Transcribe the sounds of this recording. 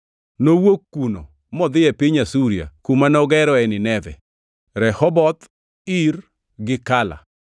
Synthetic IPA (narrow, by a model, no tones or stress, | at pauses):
nowokːuno̰ | mɔd̪ɪɛpɪɲasuɾja̰kumanɔɡɛɾɔɛnɪnɛðɛ̰ | ɾɛhɔbɔt̪ | ir | ɡɪkala̰